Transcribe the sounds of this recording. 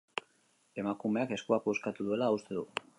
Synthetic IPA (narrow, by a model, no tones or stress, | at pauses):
e̞makume̞ake̞skuakeskat̪uðue̞laːust̪e̞ðu